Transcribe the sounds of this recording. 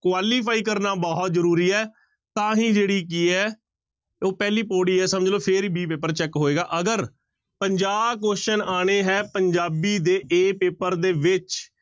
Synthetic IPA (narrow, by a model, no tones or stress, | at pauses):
kwaːliːpʰaːiːk̬əɾnaːbɔːɦt̪zəɾuːɾiːɛː | t̪ãːɦĩːd͡ʒeːɽiːk̬iːɛː | oːpɛːliːpoːɽiːɛːsəməd͡ʒloːpʰɪɾiːbiːpeːpəɾt͡ʃɛːkɦoːeːɡaːʔəɡəɾ | pəɲd͡ʒaːbkoːʃənaːɽ̃eːɦɛːpəɲd͡ʒaːbiːd̪eːʔeːpeːpəɾd̪eːʋɪt͡ʃ